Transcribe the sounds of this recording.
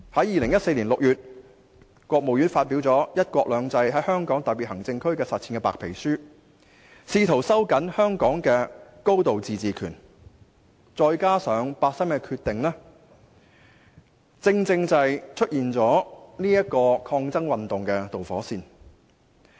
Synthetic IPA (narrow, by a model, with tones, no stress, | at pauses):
hɐ˨˥jiː˨˩lɪ˨˩ŋjɐ˥tse˧jliː˨˩lʊ˨k̚jyː˨t̚ | kʷɔː˧k̚mo˨wjyː˨˥nfaː˧t̚pi˨˥wt͡sɔː˨˥jɐ˥t̚kʷɔː˧k̚lœː˨˧ŋt͡sɐ˧jɦɐ˨˥jhœː˥ŋkɔː˨˥ŋt̪ɐ˨t̚pi˨hɐ˨˩ŋt͡sɪ˧ŋkʰɵ˥ɥkɛː˧sɐ˨t̚ʰiː˨nkɛː˧pa̰ː˨k̚pʰe˨˩jsyː˥ | siː˧t̪ʰo˨˩wsɐ˥wkɐ˨˥nhœː˥ŋkɔː˨˥ŋkɛː˧ko˥wt̪o˨wt͡siː˨t͡siː˨kʰyː˨˩n | t͡sɔː˧jkaː˥sœː˨˧ŋpaː˧t̚sɐ˥mkɛ˧kʰyː˧t̪ɪ˨ŋlɛː˥ | t͡sɪ˧ŋt͡sɪ˧ŋt͡sɐ˧jt͡ʃʰɵ˥t̚jiː˨nt͡sɔː˨˥niː˥jɐ˥t̚kɔː˧kʰɔː˧ŋt͡sɐ˥ŋwɐ˨nt̪ʊ˨ŋkɛː˧t̪o˨wfɔ̰ː˨˥siː˧n